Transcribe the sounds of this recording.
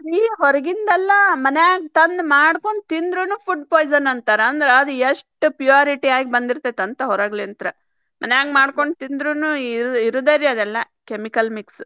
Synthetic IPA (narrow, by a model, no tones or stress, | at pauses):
iːɦɔɾɐɡind̪ɐlːɐmɐnejaːɡt̪ɐnd̪maːɽkoɳɖt̪ind̪ɾunupʰuɖpoːjzɐɾnɐnt̪aːɾɐɐnd̪ɐɾeɐd̪ueʂʈupjuaːɾiʈiaːɡibɐnd̪iɾt̪ːet̪ɐnt̪ɐɦɔɾɐɡliɐnt̪ɐɾɐ | mʔɐnejaːɡmaːɽko̞ɳɖt̪ind̪ɾunuɾiɾud̪ɐɾiɐd̪ɛlːɐ | kemikɐlmiks